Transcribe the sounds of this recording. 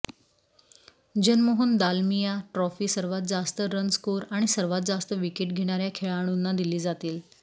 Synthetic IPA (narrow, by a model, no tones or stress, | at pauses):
d͡ʑənmoɦuːnd̪almijaʈɾɔfiːsəɾʋat̪̚d͡zast̪əɾənskuːɾaɽ̃isəɾʋat̪̚d͡zast̪əʋikeʈɡʱeɽ̃aɾjakʰeɭaɽ̃uːnːad̪iliːd͡zat̪iːl